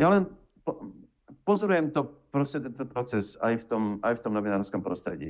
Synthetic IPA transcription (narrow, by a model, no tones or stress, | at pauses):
jaːlɛn | po | pozoɾujɛmt̪opɾoscɛt̪ɛnt̪opɾot͡sɛsaɪft̪omʔaɪft̪omnovɪnaːɾlskɛmpɾost̪r̥ɛ̰ɟḭ